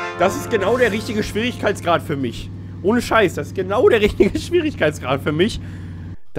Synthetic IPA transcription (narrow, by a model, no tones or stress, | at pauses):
d̥asɪst̚ɡ̥ənaʊɾeːɐʁɪçtɪɡəʃv̥iːʁɪçkʰaɪtt͡sɡ̥ʁaːtfyːɐmɪç | ʔoːnəʃaɪsd̥asɪ̥st̚ɡ̥ənaʊdeːɐʁɪçtɪɡəʃv̥iːʁɪçkʰaɪtt͡sɡ̥ʁaːtfyːɐmɪç | d̥